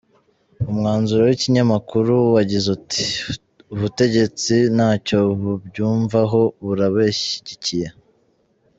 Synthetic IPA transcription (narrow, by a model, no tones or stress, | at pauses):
umŋaːnzuɾowiciɲamakuɾuwaɟizuti̥ | uβute̞ɟe̞t͡sinaːco̞βubɟuːɱvaɦo̞βuɾaβeʃi̥ɟicije